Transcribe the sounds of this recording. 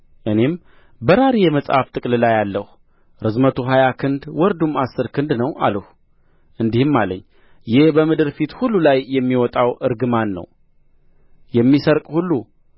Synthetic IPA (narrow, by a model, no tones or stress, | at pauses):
ʔɨne̞m | bəɾaɾijɛməsʼha̰ft̪ʼɨkʼllajalːəhu | ɾɨzmət̪ʰuɦajakʰɨnd̪wɔɾd̪umasːɨɾkʰɨnd̪nəwʔa̰ləhu | ʔɨnd̪ihɨmːalə̰ɲː | jɪhbəmɨd̪ɨɾfit̪hulːulajːɛmːiwɔt̪ʼawʔɨɾɡɨmanːə̰w | jɛmːisəɾkʼhulːu